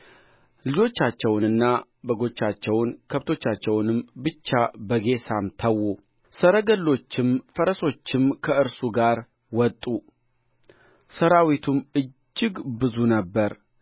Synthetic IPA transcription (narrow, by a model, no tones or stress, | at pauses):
lɨd͡ʒo̞t͡ʃːat͡ʃːɛwnɨnːa | bəɡo̞t͡ʃːat͡ʃːɛwnkʰəβt̪ʰo̞t͡ʃːat͡ʃːɛwnɨmbɨt͡ʃːabəɡe̞samt̪ʰəwːu | səɾəɡəlːo̞t͡ʃːɪmfəɾəso̞t͡ʃːɪmkʰəɨɾsuɡaɾ | wɔt̪ʼːu | səɾawit̪ʰumɨd͡ʒːɪɡbɨzunəbːəɾ